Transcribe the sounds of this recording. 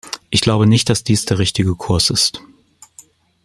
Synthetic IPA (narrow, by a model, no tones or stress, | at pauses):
ʔɪçɡ̥laʊbənɪçt̚d̥asd̥iːsd̥eːɐʁɪçtɪɡəkʰʊɐsɪst